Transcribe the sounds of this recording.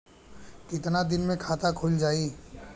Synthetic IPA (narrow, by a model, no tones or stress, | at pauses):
kɪt̪nad̪ɪnmẽkʰaːt̪akʰʊld͡ʒaːiː